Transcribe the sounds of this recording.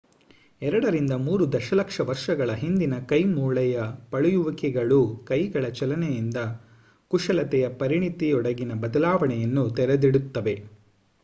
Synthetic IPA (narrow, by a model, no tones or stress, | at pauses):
ɛɾɐɽɐɾind̪ɐmuːɾud̪ɐʃɐlɐkʂɐʋɐɾʂɐɡɐɭɐɦind̪inɐkɐjmuːɭɛjɐpɐɭujuʋɐkɛɡɐɭukɐjɡɐɭɐt͡ʃɐlɐnɛjind̪ɐ | kuʂɐlɐt̪ɛjɐpɐɾiɳit̪iɔɽɐɡinɐbɐd̪ɐlaːʋɐɳɛjɐnːut̪ɛɾɐd̪iɽut̪ːɐʋe̞